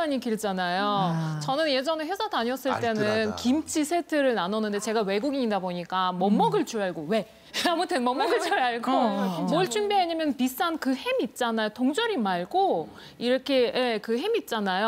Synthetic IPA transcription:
aɲikiɭt͡ɕanajot͡ɕʌnɯnje̞d͡ʑʌnɯhwesʰataɲiʌs͈ɯɭt͈e̞nɯnkimt͡ɕʰisʰe̞tʰɯɾɯɭnanʌnːɯnde̞t͡ɕe̞ɡawe̞ɡuɡiɲidaboɲik͈amʌmːʌɡɯɭt͡ɕuɭɦaɭɡowe̞ | amuteŋmʌmːʌɡɯɭt͡ɕuɭɦaɭɡomoɭt͡ɕʰunbeaɲamjʌnpis͈ankɯhemit̚t͡ɕ͈anajotoŋd͡ʑʌɾimaɭɡo | iɾʌkʰe̞je̞kɯɦemit̚t͡ɕ͈anajo

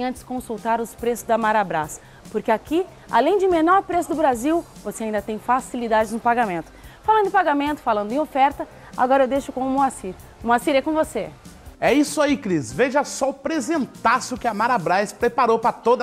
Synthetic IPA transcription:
ɐ̃nt͡ʃɪ̥skõsuwt̪aɾʊspɾesʊzd̪ɐmaɾabɾa̰s | poɾkɪaki | a̰lẽj̃d͡ʒɪmenɔɾpɾesʊd̪ʊbɾaziw | voseaĩd̪ɐt̪ẽj̃fasilid̪ad͡ʒɪznʊpaɡamẽnt̪ʊ̥falɐ̃d̪ʊɪpaɡamẽnt̪ʊ̥falɐ̃nd̪ʊẽofɛɾt̪ɐ | a̰ɡɔɾɐewd̪ejʃʊkõʊ̃moasiɾ | moasiɾɛkõvoseɛisʊaikɾisveʒɐsɔpɾezẽnt̪asɪʊkɪɐmaɾabɾajspɾepaɾowpɾɐt̪od̪ɐ

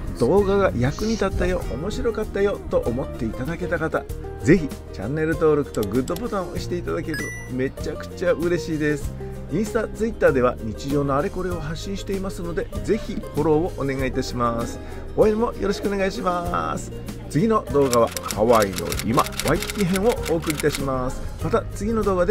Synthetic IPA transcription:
d̪̥o̞ːɡaɡajakɯ̟ɲ̟it̪at̪ːajo̞̰ʔomo̞ɕiɾo̞kat̪ːajo̞t̪o̞ʔomo̞t̪ːe̞it̪ad̪ake̞t̪akat̪a | ze̞çi | t͡ɕã̰nːe̞ɾɯ̟t̪o̞ːɾokɯ̥t̪o̞ɡɯ̟d̪ːo̞bo̞t̪ãɰ̃oɕi̥t̪e̞it̪ad̪ake̞ɾɯ̟ | me̞t͡ɕakɯ̟̥t͡ɕaɯ̟ɾe̞ɕiːd̪e̞sɨ̥ | ĩɰ̃st̪at͡sɨit̪ːaːd̪e̞β̞a̰ɲ̟it͡ɕiʑo̞ːnoaɾe̞ko̞ɾeo̞ɦaɕːĩɰ̃ɕi̥t̪e̞imasɨno̞d̪e̞ze̞çiho̞ɾo̞ːoʔone̞ɡait̪aɕimasɨ̥ | o̞eɾimo̞jo̞ɾo̞ɕikɯone̞ɡaiɕimasɨ̥ | t͡sɨɡʲino̞d̪o̞ːɡaβ̞a̰haβaino̞̰ḭma̰βaikʲːiɦẽ̞ɰ̃o̞oːkɯ̟ɾʲit̪aɕimasɨ̥mat̪at͡sɨɡʲino̞d̪o̞ːɡad̪e

